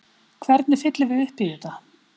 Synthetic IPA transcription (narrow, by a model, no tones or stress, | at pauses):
kʰvɛɾt̪nɪfɪt̪lɪvɪðʏhpɪðʏt̪a